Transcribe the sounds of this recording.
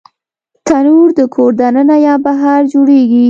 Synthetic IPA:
t̪anuɾd̪əkʰoɾd̪anənajɑbaɦaɾd͡ʒoɽeɡi

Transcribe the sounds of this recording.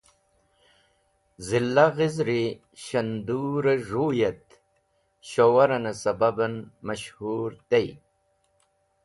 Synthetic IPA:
zilːaɣizɾi | ɕɐnd̪uːɾɐʐuːjɐt̪ | ɕowɐɾɐnɐsɐbɐbɐnmɐɕhuɾt̪ej

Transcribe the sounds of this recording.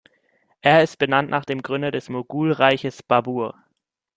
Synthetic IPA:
ʔeːɐɪst̚b̥ənantnʔaːχd̥eːmɡʁʏndɐdɛsmoɡuːlʁaɪçəsb̥abuːɐ

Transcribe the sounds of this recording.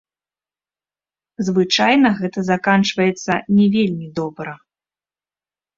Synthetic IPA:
zvɨt͡ʂajnɐɣɛt̪ɐzakant͡ʂvɐjɛt̪sːɐnʲɛvʲelʲmʲid̪ɔbɾɐ

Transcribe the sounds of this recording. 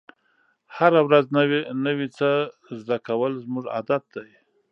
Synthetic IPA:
haɾawɾaznnəwit͡səzd̪akawəlzmuʐa̰d̪at̪̚d̪aj

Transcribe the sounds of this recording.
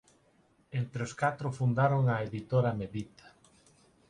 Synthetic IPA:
ent̪ɾeoskat̪ɾʊfund̪aɾoŋɐeðit̪oɾameðit̪ḁ

